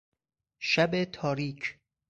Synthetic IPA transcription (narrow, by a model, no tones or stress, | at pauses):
ʃæbet̪ʰɒːɾiːkʰ